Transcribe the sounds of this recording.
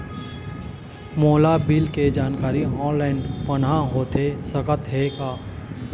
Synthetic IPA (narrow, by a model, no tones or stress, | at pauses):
moːlabiːlked͡ʒaːnkaːɾiɦɔ̃ːnlɛ̃ːɳɖpənãɦoːt̪esəkət̪ɦekaː